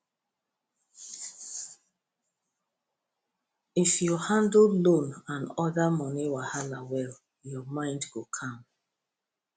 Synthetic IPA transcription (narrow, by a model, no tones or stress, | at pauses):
ifjɔhãndl̩lõnãnɔðamɔniwahalawɛl | jɔmãɪ̃ndɡokʰãm